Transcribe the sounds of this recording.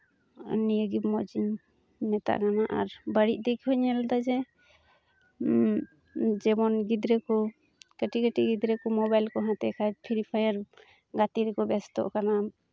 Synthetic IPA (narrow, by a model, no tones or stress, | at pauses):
nijəɡibmɔd͡ʒiɲ | mɛt̪a̰ʔkanaʔa̰ɾbəɽiʔ̚d̪ikhɔɲɛlad̪ad͡ʒɛ | d͡ʒɛmɔnɡid̪ɾɛkɔ | kəʈikəʈiɡid̪ɾɛkɔmɔbajlkɔɦãt̪ɛkʰad͡ʒpʰiɾipʰajaɾ | ɡat̪iɾɛkɔbɛst̪ɔ̰ʔkana